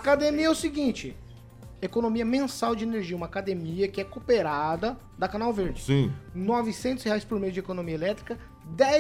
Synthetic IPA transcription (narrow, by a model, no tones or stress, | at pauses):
akad̪emiɐɛʊsɪɡĩt͡ʃɪ | ekonõmiɐmẽsawd͡ʒɪeneɾʒiɐũmɐakad̪emiɐkɪɛkopeɾad̪ɐ | d̪ɐkãnawveɾd͡ʒɪsĩnɔvɪsẽnt̪ʊsheajspoɾmejʊd͡ʒɪekonõmiɐelɛt̪ɾikɐ | d̪ɛ